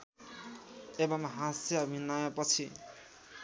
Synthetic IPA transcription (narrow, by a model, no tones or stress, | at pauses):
ebʌmɦasjaːbʱinʌjʌpʌt͡sʰi